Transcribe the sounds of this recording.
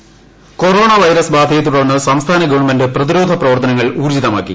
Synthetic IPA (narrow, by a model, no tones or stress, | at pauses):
ko̞ro̞ːɳɐʋɐjɾɐsbaːd̪ʱɐjet̪̬ːuɽɐrnːɨsɐmst̪ʰaːnɐɡɐʋɐɳmɐndɨprɐðiɾo̞ːd̪ʱɐprɐʋɐrt̪ɐnɐŋːɐɭuːrd͡ʑiðɐmaːkːḭ